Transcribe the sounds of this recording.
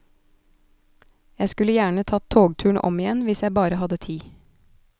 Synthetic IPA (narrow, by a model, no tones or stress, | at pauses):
jæɪskʉləjæːɳət̪ʰɑːt̪ʰoːɡt̪ʰʉːɳ̩ʔɔ̰mɪjɛnʋɪsjæɪbɑːɾəhɑd̪ət̪ʰiː